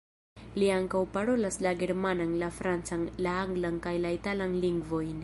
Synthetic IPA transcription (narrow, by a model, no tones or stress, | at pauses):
liaŋkawpaɾo̞laslaɡe̞ɾmananlafɾant͡sanlaaŋɡlankajlaitalanliŋɡvo̞jn